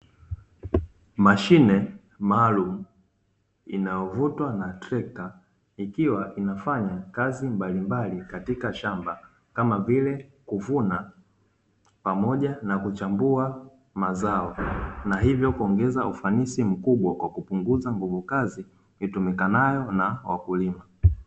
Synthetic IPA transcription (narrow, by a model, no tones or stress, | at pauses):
maʃinɛ | maːlum̩ | ḭnajɔvutwanatɾɛka | ikiwaʔinafaɲakazimbalimbalikatikaʃamba | kamavilɛkuvuna | pamɔʄanakut͡ʃambua | mazaɔnaɦivjɔkuɔŋɡɛzaufanisim̩kuɓwakwakupuŋɡuzaŋɡuvukazi | itumikanajɔnawa̰kulima